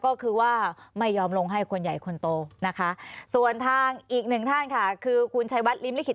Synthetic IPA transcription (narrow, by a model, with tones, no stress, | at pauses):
kɔː˥˩kʰɯː˧waː˥˩ma˥˩jːɔː˧mlo˧ŋɦa˥˩jkʰo˧nja˨˩jkʰo˧nt̪oː˧na˦˥kʰa˦˥su˨˩ənt̪ʰaː˧ŋʔiː˨˩k̚nɯ˨˩ŋt̪ʰa˥˩nkʰa˥˩kʰɯː˧kʰu˧nt͡ɕʰa˦˥jwa˦˥t̪̚li˦˥mli˦˥kʰi˨˩